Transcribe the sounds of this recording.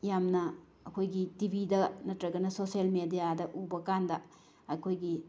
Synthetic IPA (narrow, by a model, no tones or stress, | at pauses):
jamnɐ | ɐkʰojɡitibʱidɐnɐtɾɐɡɐnɐsoselmedijadɐʔubɐkandɐ | ɐjkʰojɡi